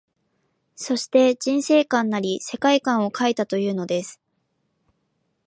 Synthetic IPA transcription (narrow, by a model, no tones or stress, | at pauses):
so̞ɕi̥t̪e̞d͡ʑĩɰ̃se̞ːkãnːaɾʲise̞kaikãɰ̃o̞kʰait̪at̪o̞jɯ̟ːno̞d̪e̞sɨ̥